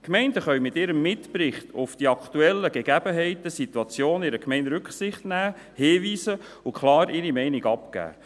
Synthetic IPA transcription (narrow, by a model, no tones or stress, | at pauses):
kmɛɪndəχœɥmɪt̪ːɪɾəmːɪtpɾɪχtʊ̰fd̥iɑkʰtuɛlːəɡ̥eɡ̥æbəɦɛɪtəsit̪uɑt͡sjoːnɪɾəkmɛɪndɾʉkχsɪχtnæː | heːʋiːsə | ukʰχlɑːɾɪɾimɛɪnɪɡɑpkæ̰ː